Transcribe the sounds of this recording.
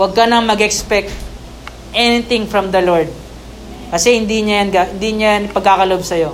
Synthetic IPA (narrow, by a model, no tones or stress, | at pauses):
wɐɡ̚kɐnɐŋmɐɡɛkspɛk̚t̪̚ | ʔɛnɪt̪ɪ̃ŋfɹɐmd̪ɐloɹd̪̚ | kɐsɛhɪnd̪iɲajɐnɡaɪnd̪iɲajanpɐɡ̚kːakɐloʔobsɐjo̞